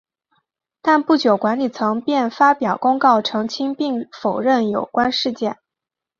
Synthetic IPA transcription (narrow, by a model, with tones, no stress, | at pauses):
t̪a˥˧npu˥˩t͡ɕjo˨˩ʊkwa˧˥nli˨˩t͡sʰɤ˧˥ŋpjɛ˥˩nfa˥pjɑ˨˩ʊkʊ˥ŋkɑ˥˩ʊʈ͡ʂʰɤ˧˥ŋt͡ɕʰi˥ŋpi˥˩ŋfo˨˩ʊɻə˥˩njo˨˩ʊkwa˥nʂɻ̩˥˧t͡ɕjɛ˥˩n